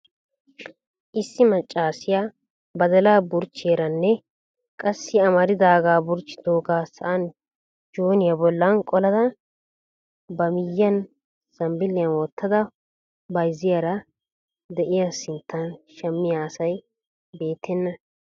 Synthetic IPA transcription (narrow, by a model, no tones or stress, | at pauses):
ʔɪsːɪmɐt͡ʃʼːaːsɪja | bɐd̪ɐlaːbʊɾt͡ʃːeːɾɐnːɛ | kʼɐsːɪɐmɐɾɪd̪aːɡaːbʊɾt͡ʃːɪ̥t̪oːɡaːsɐʔɐn | d͡ʒoːnɪjɐbɔlːɐnkʼɔlɐd̪ɐ | bɐmɪjːɐn | sɐmbɪlːɪjɐnwɔt̪ːɐd̪ɐ | bɐjzɪjɐɾɐ | d̪ɛʔɪjasɪnt̪ʰːɐnʃɛmːɪjaːsɐj | be̞ːt̪ʰːɛnːɐ